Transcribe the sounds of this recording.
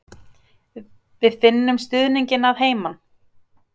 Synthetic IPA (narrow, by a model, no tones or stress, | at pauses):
vɪðfɪnːʏmst̪ʏðniɲcɪnaðɦeːjman